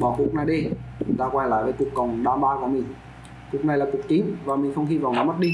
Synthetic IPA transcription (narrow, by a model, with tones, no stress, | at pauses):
ɓɔ˧˩ku˨˩ək̚naː˨˩ɗe˧˨˩t̪aː˧kwa˧jla̰ː˧˨jvəː˨˦ku˨˩əkːə˨˩wŋ͡mɗaː˧mɓaː˧kɔ˨˩˦mï˨˩ŋ̟ | ku˨˩ək̚na˨˩jlaː˨˩ku˨˩ək̚t͡ɕï˨˦ŋ̟vaː˨˩mï˨˩ŋ̟xə˧wŋ͡mhi˧va̰˧˨wnɔ˨˦m˦˥t̚ɗi˧